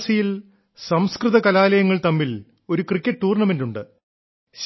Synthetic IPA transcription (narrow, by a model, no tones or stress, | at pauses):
sijil | sɐmskrɨðɐkɐlaːlɐjɐŋːɐɭt̪ɐmːil | o̞ɾukrikʲːɐʈʈuːrɳɐme̞nduɳɖɨ | ɕ